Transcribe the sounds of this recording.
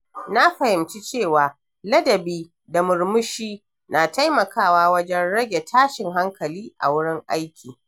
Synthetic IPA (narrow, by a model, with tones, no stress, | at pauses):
na˦ɸɐ˨hɪ˨mt͡ʃi˦t͡ʃeː˦˨waː˨ | lɐ˦dɐ˨biː˦ | da˨mʊ˨ɽmʊ˦ʃiː˦ | naː˨ta˦jmɐ˨kʰaː˦˨waː˦wɐ˦d͡ʒɛ˦nɽɐ˦ɡʲe˨tʰaː˦ʃɪ˨ŋɦa˦ŋkɐ˨liː˦ʔa̰˨wʊ˦ɽɪ˦ŋʔa˦jkʲʰiː˨